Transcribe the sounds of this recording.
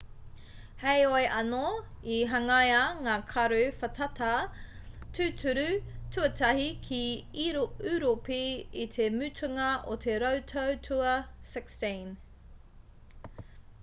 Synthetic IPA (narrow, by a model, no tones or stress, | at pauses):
hejoeʔɐno | iɦɐŋɐjɐŋaːkʰɐɾʉfɐtʰɐtʰɐ | tʰʉːtʰʉɾʉtʰʉɐtʰɐhikʰiiɾʉɾopiit̪ʰemʉtʰʉŋɐʔotʰeɾowtʰowtʰuɐsɛksten